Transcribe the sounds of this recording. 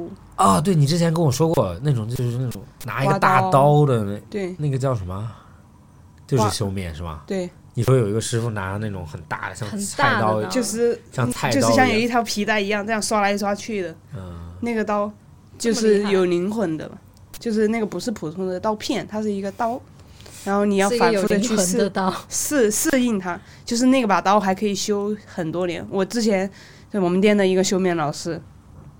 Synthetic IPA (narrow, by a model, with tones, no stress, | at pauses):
ɐ˥˧t̪we˥˩ɪni˨˩ʈ͡ʂɻ̩˥t͡ɕʰɛ˧˥nkə˧˥nwɔ˨˩ʂwɔ˥kwɔ˥˧na˥˩ʈ͡ʂʊ˨˩ŋt͡ɕjo˥˧ʊʂ̩˥˩na˥˩ʈ͡ʂʊ˨˩˦ŋna̰˧˥i˥ɡə˧t̪a˥˩t̪ɑ˥ʊd̪ə˨˧n˥˩ɪt̪we˥˩ɪna˥˩ɡə˩t͡ɕjɑ˥˩ʊʂə˧˥mə˧ | t͡ɕjo˥˧ʊʂɻ̩˥˩ɕjo˥ʊmjɛ̰˥˩nʂɻ̩˥˩mɐ̰˩t̪we˥˩ɪ | ni˨˩ʂwjo˨˩ʊi˧˥ɡə˧ʂɻ̩˥fu˥˩na̰˧˥˧na˥˩ʈ͡ʂʊ˧˥˦ŋxə˨˩nt̪a̰˥˩də˩ɕjɑ˥˧ŋ˧t͡s̪ʰt̪ɑ˥ʊt͡ɕjo˥˧ʊʂɻ̩˥˧ɕjɑ˥˧ŋt͡sʰa˥˧t͡ɕɪo˥˧˥jɑ˥˩ŋjo˨˩ʊi˥˩t̪ʰjɑ˧˥ʊpʰi˧˥t̪a˥˩ɪi˧˥jɑ˥˧ŋʈ͡ʂa˥˧jɑ˥˩ŋswa˥la˧˥i˥˩swa˥t͡ɕʰy˥˩d̪ə˩˥˩na˥˩ɡə˩t̪ɑ˥ʊ | t͡ɕjo˥˧ʊʂɻ̩˥˩jo˨˩ʊli˧˥ŋxwə˧˥nd̪ə̰˧bɐ̰˨˩ | t͡ɕjo˥˧ʊʂɻ̩˥˧na˥˩ɡə˩pu˧˥ʂɻ̩˥˩pʰu˨˩t̪ʰʊ˥ŋd̪ə˨t̪ɑ˥ʊpʰjɛ˥˩nt̪ʰa˥ʂ̬ɻ̩˥˩i˧˥ɡə˧t̪ɑ˥ʊ | ɻa˧˥nxo˥˩ni˨˩jɑ˥˩ʊfa˨nfu˥˧d̪ə˨˧t͡ɕʰy˥˧ʂ̩˥˧˥ʂ̩˥˧ʂɹ̩˥˧i˥˩ŋt̪ʰa˥ | t͡ɕjo˥˧ʊʂ̬ɻ̩˥˧na˥˩ɡə˩pa˨˩t̪ɑ˥ʊxa˧˥ɪkʰɤ˧˥i˨˩ɕjo˥ʊxə˨˩nt̪wɔ˥ljɛ̰˧˥nwɔ˨˩ʈ͡ʂɻ̩˥t͡ɕʰjɛ˧˥n˥ | wɔ˨˩mə˦nt̪jɛ˥nd̪ə˨˩i˧˥ɡə˧ɕjo˥ʊmjɛ˥˩nlɑ˨˩ʊʂɻ̩˥